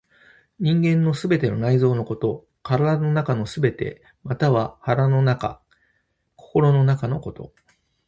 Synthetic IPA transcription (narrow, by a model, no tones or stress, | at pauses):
ɲ̟ĩŋɡẽ̞nːo̞sɨbe̞t̪e̞no̞̰naizo̞ːno̞ko̞t̪o̞ | kaɾad̪ano̞nakano̞sɨbe̞t̪e̞̰ | mat̪aβ̞ahaɾano̞naka̰ | kʰo̞̥ko̞ɾo̞no̞nakano̞ko̞t̪o̞̰